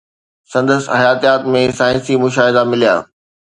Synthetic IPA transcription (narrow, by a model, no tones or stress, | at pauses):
sɐ̃nd̪əshɐjaːt̪ijaːt̪mẽsaːɪ̃nsimʊʃaːɦɪd̪amɪlija̰ː